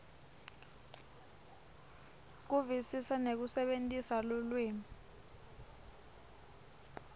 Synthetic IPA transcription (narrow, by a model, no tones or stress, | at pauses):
k̬uvisisanek̬usɛɓentʼisalulweːmi